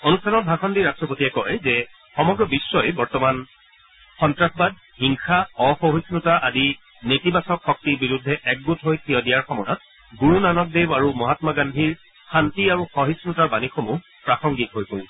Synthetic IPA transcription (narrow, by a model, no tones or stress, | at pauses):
onustʰanɔt̚bʱaxʰɔndiɹastɹɔpotiɛkɔjzɛ | xɔmɔɡɹɔbisːɔjɛbɔɹtɔman | xɔntɹaxbad̚ | hiŋxaɔxɔɦisnutaʔadi | netibasɔkxɔk̚tibiɹudʱːɛʔɛk̚ɡutɦojtʰijɔdijaɹxɔmɔjɔt̚ | ɡuɹunanɔk̚dewaɹumɔɦatmaɡandʱiɹ | xantiaɹuxɔɦisnutaɹbanixomu | pɹaxɔŋɡitɦojkol